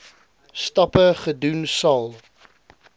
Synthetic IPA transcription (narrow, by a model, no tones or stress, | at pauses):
stɐpəχədunsɐlˠ